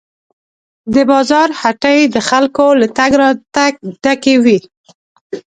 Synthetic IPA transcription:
d̪əbɑzɑɾhaʈajd̪əxalkolat̪aɡɾɑt̪aɖ̥akewi

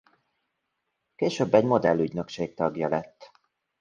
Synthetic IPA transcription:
keːʃøːbːɛɟmo̞d̪ɛlːyɟnø̞kʃeːk̚t̪ɒɡjɒlɛt̪ː

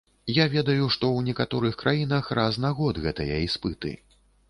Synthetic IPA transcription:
javʲɛd̪ɐjuʂt̪ɔwnʲɛkat̪ɔɾɨxkɾʔajinɐxrʔaznaɣɔd̪ɣɛt̪ɐjɐispɨt̪ɨ̰

